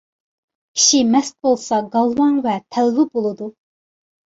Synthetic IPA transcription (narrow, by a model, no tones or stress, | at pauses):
kʲʰi̥ʃimɛst̪̚bolˠsɑɡɑlˠwɑŋvɛt̪ʰɛlvɪbolˠɨd̪u